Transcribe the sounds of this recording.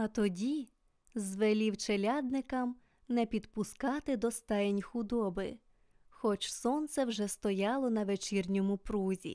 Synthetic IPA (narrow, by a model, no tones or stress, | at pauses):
ɐt̪ɔdʲi | zʋelʲiwt͡ʃelʲɑd̪nɪkɐm | nɛpʲid̪pʊskɑt̪ɪd̪ɔst̪ɛjenʲxʊd̪ɔbɪ̰ | xɔt͡ʃsɔnt̪sɛwʒɛst̪ɔjɑlˠɔnɐʋet͡ʃirnʲɔmʊpɾuzʲḭ